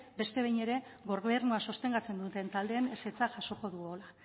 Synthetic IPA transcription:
be̞st̪e̞βejne̞ɾe̞ɣo̞ɾeɾnuaso̞st̪e̞ŋɡat͡se̞nd̪ut̪e̞nt̪ald̪e̞ːnese̞t͡saʝaso̞ko̞ðuɣo̞la

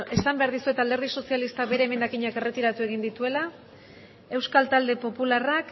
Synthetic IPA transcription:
e̞sambe̞aɾðisue̞t̪ald̪eɾð̞iso̞sialist̪abe̞ɾeːme̞nd̪akiɲake̞re̞t̪iɾat̪ueɣ̞ind̪it̪ue̞la | e̞wskalt̪ald̪e̞po̞pularak

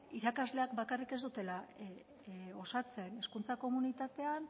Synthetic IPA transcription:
iɾakazle̞akbakarike̞zd̪ut̪e̞la | o̞sat͡se̞ne̞skunt͡sako̞munit̪at̪e̞an

